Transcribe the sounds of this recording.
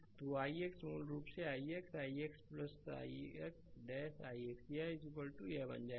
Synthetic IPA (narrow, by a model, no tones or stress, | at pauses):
t̪uaːieksmuːlɡɾuːpseaːieksaːieksplɐsa̰ːieksɖɛːsaːieksaɪzikəlʈujebɐ̰nd͡ʒaː